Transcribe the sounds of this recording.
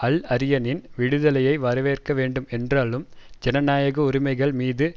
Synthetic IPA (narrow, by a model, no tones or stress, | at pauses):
ɐɭɐɾɪjɐnɪnʋɪɽɯðɐlɐjɐɪʋɐɾɐʋeːrkɐʋeːɳɖɯmɛndraːlɯmd͡ʒɛnɐnaːjɐɣɐʊɾɪmɐɪɣɐɭmiːðɯ